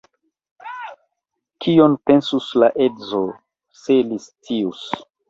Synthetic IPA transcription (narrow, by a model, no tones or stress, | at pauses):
kʰionpensuslaʔedzo | selist͡sius